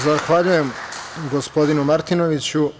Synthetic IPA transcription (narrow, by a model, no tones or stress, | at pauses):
zaxʋaʎujemɡospod̪inumaɾt̪inoʋit͡ɕu